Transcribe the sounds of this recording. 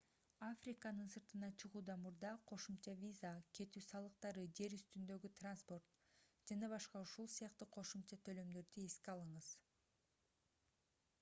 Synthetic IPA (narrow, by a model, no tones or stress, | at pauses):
afrʲikanɯnsɯɾt̪ɯnɑt͡ʃʰɯʁuːd̪ɑmuɾd̪ɑqʰo̞ʃumt͡ʃɑvʲizakʰe̞t̪yːsɑlˠɯqt̪ɑɾɯd͡ʒe̞ɾyst̪ynd̪ø̞ɡyt̪ranspo̞rt̪ | d͡ʒɑnɑβɑʃqɑuʃulˠsɯjɑqt̪ɯqʰo̞ʃumt͡ʃɑt̪ʰø̞lø̞md̪ø̞ɾd̪ye̞skiɑlˠɯɴɯz̥